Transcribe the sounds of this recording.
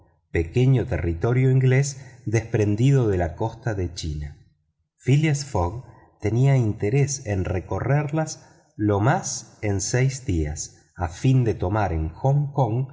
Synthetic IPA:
pe̞ke̞ɲot̪ḛrit̪o̞ɾjoiŋɡlesd̪e̞spɾe̞nd̪iðo̞ðe̞lako̞st̪aðe̞t͡ʃina | filjasfoɣ | t̪e̞niaint̪eɾesenreko̞reɾlas | lo̞masensejzd̪ia̰s | afind̪e̞t̪o̞maɾeŋxoŋkoŋ

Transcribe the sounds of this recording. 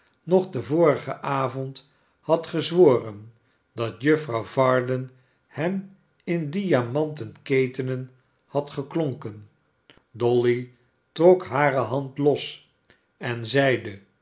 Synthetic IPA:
nɔχdəvʊːɾəχə̰ʔaːvɔnt | hɑtχəzʋoːrən | dɑtjɵfrɑwvɑːɹdən | hɛm | ɪndiamɑntənkejtənən | hɑtχəkloŋkən | dɔli | trɔkɦaːɾəɦɑntlɔs | ɛnzɛjdə

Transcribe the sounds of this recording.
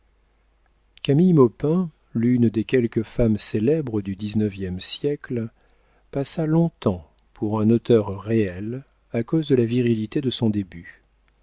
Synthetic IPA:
kamijmɔpɛ̃ | lynd̪ekʲɛlkəfamselɛbʁəd̪yd̪iznəvjɛmsjɛkl | pasalɔ̃t̪ɑ̃ | pʰuʁɛ̃not̪œʁːeɛl | akozd̪əlaviʁilit̪ed̪əsɔ̃d̪eby

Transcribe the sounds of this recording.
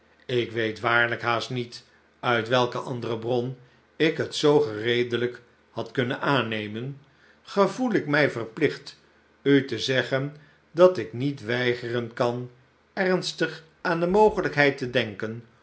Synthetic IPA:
ɪkʋejtʋaːɹləkɦaːstnit | œɥtʋɛlˠkəʔɑndərəbrɔn | ɪkɦətsowχərejdələk | hɑtkɵnənaːnejmən | χəvulɪkmɛjvərplɪχt | ytəzɛχən | dɑtɪknitʋɛjχərənkɑn | ɛɹnstəχ | aːndəmowχələkɦɛjtədɛŋkən

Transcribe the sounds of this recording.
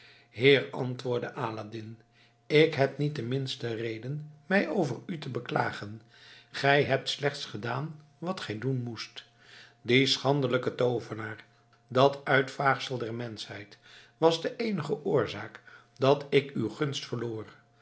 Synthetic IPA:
ɦɪːrɑ̰ntʋʊːɹdəʔaːlaːdɪn | ɪkɦɛp̚nit̚dəmɪnstərejdənmɛjʔowvəɹytəbəkla̰ːχən | χɛjɦɛp̚tslɛχtsχədaːn | ʋɑtχɛjdunmust | disχɑndələkətowvənaːr | dɑtœɥtfaːχsəlˠdɛɹmɛnshɛjtʋɑzdəʔejnəχəʔʊːɹzaːk | dɑtɪkywχɵnstfəɹloːr

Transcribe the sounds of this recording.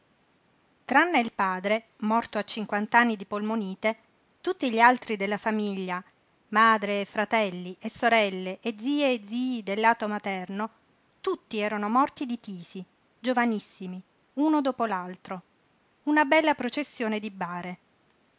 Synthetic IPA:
t̪ɾanːeilpaːd̪ɾe | mɔrt̪oat͡ʃːiŋkwant̪anːid̪ipolmoniːt̪e | t̪ut̪ːiʎialt̪ɾid̪elːafamiʎːa | maːd̪ɾeːfːɾat̪ɛlːiʔesːoɾɛlːeʔed̪ziːeed̪ziːd̪elːaːt̪omat̪ɛrno | t̪ut̪ːiɛːɾanomɔrt̪id̪it̪iːsi | d͡ʒovanisːimi | uːnod̪oːpolalt̪ɾo | unabɛlːapɾot͡ʃesːjoːned̪ibaːɾe

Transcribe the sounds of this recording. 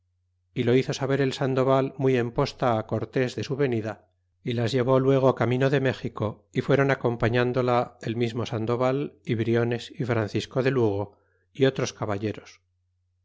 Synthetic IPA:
ilo̞iθo̞saβe̞ɾe̞lsand̪o̞βalmuje̞mpo̞st̪aːko̞ɾt̪e̞zðe̞suβe̞niða | ilazʝe̞β̞o̞lwe̞ɣ̞okamĩno̞ðe̞me̞xiko̞ | ifwe̞ɾo̞nako̞mpaɲãnd̪o̞laelmizmo̞sand̪o̞βaliβɾio̞ne̞sifɾanθisko̞ðe̞luɣ̞o̞ | io̞t̪ɾo̞skaβaʎe̞ɾo̞s

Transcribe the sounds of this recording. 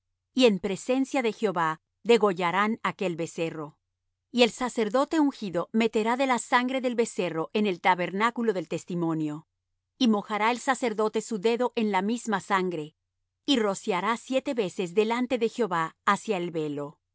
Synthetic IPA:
ie̞mpɾe̞se̞nsjaðe̞xjo̞βa | ðe̞ɣo̞ʝaɾanake̞lβe̞se̞ro̞ | ie̞lsase̞ɾðo̞t̪e̞uŋxiðo̞me̞t̪e̞ɾaðe̞lasaŋɡɾe̞ðe̞lβe̞se̞ro̞ʔe̞ne̞lt̪aβe̞ɾnakulo̞ðe̞lt̪e̞st̪imõ̞njo̞ | imo̞xaɾae̞lsase̞ɾðo̞t̪e̞suðe̞ðo̞ʔe̞nlamizmasaŋɡɾe̞ | iro̞sjaɾasje̞t̪e̞βe̞se̞zðe̞lant̪e̞ðe̞xjo̞βaːsjaelβe̞lo̞

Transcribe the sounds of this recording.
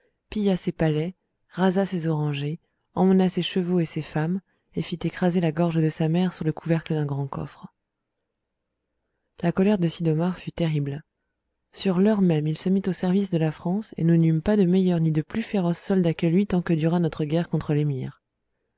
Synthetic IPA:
pijasepalɛ | ʁazasezɔʁɑ̃ʒe | ɑ̃mənaseʃəvoesefam | efit̪ekχazelaɡɔʁʒəd̪əsamɛʁsyʁləkʰuvɛʁkləd̪ɛ̃ɡʁɑ̃kɔ̰fχ | lakɔlɛʁd̪əsid̪ɔmaʁfyt̪eʁibl | syʁlœʁmɛmilsəmit̪osɛʁvisd̪əlafχɑ̃sḛnunympad̪əmɛjœʁnid̪əplyfeʁɔsːɔld̪akʲəlɥit̪ɑ̃kəd̪yʁanɔt̪χəɡʲɛʁkɔ̃t̪χəlemḭːʁ

